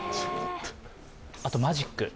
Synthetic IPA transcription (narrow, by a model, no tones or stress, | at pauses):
at̪o̞maʑikːɯ